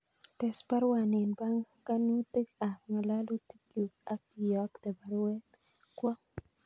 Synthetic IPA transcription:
t̪ɛ˨spa˦ɾwa˨nɪ˨nba˦ŋ | ka˦nu˦t̪e˦ka˨ŋa˨la˦lo˦t̪i˦kju˨a˨ki˨jɔ˨˦kt̪e˨ba˦ɾwe˦t̪̚ | kwɔ˦

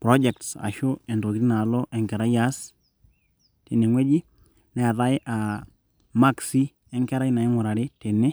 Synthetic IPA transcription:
pɾɔ˦d͡ʒɛ˨k̚tsa̰˨ʃo˦ɛ˨nto˨kɾi˦na˨lo˦ʔɛ˨ŋkɛ˨ɾa˦ja˦s | te˨ne˨ŋwe˦d͡ʒi˦ | na˨a˨ða˦jʔa˨ | ma˦˨ksi˦ | ɛ˦ŋkɛ˦ɾa˦jna˨ɪ˦ŋʊ˨ɾa˨ɾɪ˦te˨ne˦

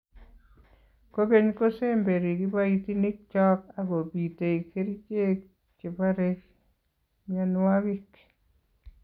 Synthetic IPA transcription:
ko˦ke˦ɲko˦se˦mbe˨ɾi˨ki˦ba˦itini˦k̚t͡ʃɔ˦ka˨ɡo˨pi˨te˨ike˦ɾi˦t͡ʃe˦k | t͡ʃe˨baɾek | mjanwawik

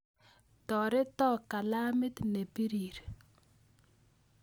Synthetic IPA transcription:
tɔ˨ɾɪ˦tɔ˦˨ka˨la˦mɪ˦t̪ne˨pi˦ɾi˨ɾ

